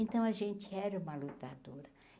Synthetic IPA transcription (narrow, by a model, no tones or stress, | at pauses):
ẽnt̪ɐ̃w̃ɐʒẽnt͡ʃɪɛɾɐũmɐlut̪ad̪oɾɐ